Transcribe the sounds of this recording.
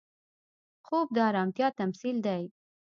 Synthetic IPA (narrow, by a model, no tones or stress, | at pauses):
xoːb̚d̪əɑːɾɑːmt̪jɑːt̪amsild̪aj